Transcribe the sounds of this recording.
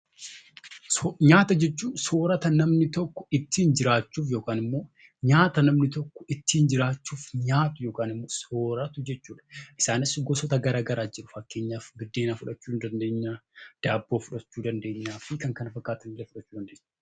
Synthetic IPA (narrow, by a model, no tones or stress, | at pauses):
ɲaːt̪ɐd͡ʒɛt͡ʃːuːnsoːɾɐt̪ɐnɐmnɪt̪ɔkːɔ̥ɪt̪ːiːnd͡ʒɪɾaːt͡ʃːuːfjo̞ːkaːnɪmːo̞ː | ɲaːt̪ɐnɐmnɪt̪ɔkːɔ̥ɪt̪ːiːnd͡ʒɪɾaːt͡ʃːuːfɲaːt̪ʊjo̞ːkaːnɪmːoːsoːɾɐt̪ʊd͡ʒɛt͡ʃːuːᶑɐ̥ʔɪsaːnɪsɡɔsɔt̪ɐɡɐɾaːɡɐɾaːd͡ʒɪɾʊfɐkːeːɲːaːfɡɪd̪ːeːnafʊᶑɐt͡ʃːuːnd̪ɐnd̪e̞ːɲːaːd̪̥aːbːoːfʊᶑɐt͡ʃːuːd̪ɐnd̪e̞ːɲːaːfɪkɐŋkɐnɐfɐkːaːt̪ɐnɪlɐfʊᶑɐt͡ʃːuːd̪ɐnd̪eːɲː